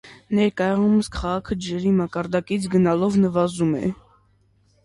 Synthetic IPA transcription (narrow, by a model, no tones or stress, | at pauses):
nɛɾkɑjɑʁuməskʰɑʁɑkʰəd͡ʒɛɾimɑkɑɾd̪ɑkit͡sʰɡənɑlɔvnəvɑzumɛ̰